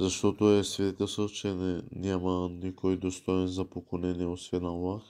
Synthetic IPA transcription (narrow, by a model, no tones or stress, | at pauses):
zɐʃt̪ot̪oɛsvɛd̪ɛt̪ɛlst̪ət͡ʃɛnɛnʲamənikojd̪ost̪ojɛnzɐpokonɛniɛosvɛnalˠax